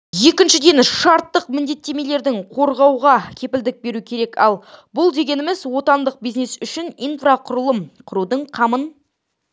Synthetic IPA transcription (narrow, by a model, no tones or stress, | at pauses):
je̞kʲɪnʃɪd̪e̞nʃɑɾt̪ːəqmɪnd̪e̞t̪ːe̞me̞le̞ɾd̪ɪŋqʰo̞ɾʁɑwʁɑkʲʰe̞pɪld̪ɪk̚be̞ɾukʲʰe̞ɾe̞kɑ̰lˠbʊlˠd̪e̞ɡʲe̞nɪmɪzwo̞t̪ɑnd̪əq̚bijznesʏʃɪnijnfraqʰʊɾəlˠəmqʰʊɾud̪əɴqʰɑmən